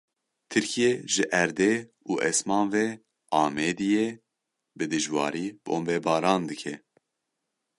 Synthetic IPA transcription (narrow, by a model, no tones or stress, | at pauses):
t̪ʰɨɾkʰijeʒɨʔæɾd̪e | uːʔɛsmɑːnvɛ | ɑːmeːd̪ije | bɨd̪ɨʒwɑ̰ːɾiːbʔo̰ːmbɛːbɑːɾɑːnd̪ɨkʰɛ